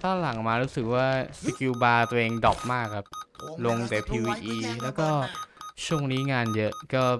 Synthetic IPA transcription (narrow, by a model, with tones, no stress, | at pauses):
t̪ʰaː˥˩la˨˩˦ŋ˨˩maː˧ɾuː˦˥sɯ˨˩k̚waː˥˩si˧kʰjuː˧baː˧t̪u˧ʔeː˧ŋdɔ˨˩p̚maː˥˩kʰːa˦˥p̚lo˧ŋt̪e˧˩pʰiː˧wiː˧ʔiː˧lɛː˦˥wkɔː˥˩t͡ɕʰu˥˩əŋniː˦˥ŋaː˧njɤ˦˥ʔkɔː˥˩